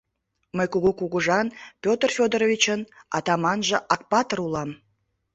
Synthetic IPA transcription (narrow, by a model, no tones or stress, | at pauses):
məjkuɣukuɣuʒɑnpʲot̪rfʲod̪əɾovʲit͡ɕənɑt̪ɑmɑnʒə̆ʔɑk̚pɑt̪ərulɑm